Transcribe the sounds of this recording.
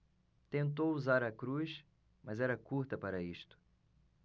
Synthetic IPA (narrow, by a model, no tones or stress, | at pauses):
t̪ẽnt̪owuzaɾɐkɾuʃ | mɐzɛɾɐkuɾt̪ɐpaɾɐiʃt̪ʊ̥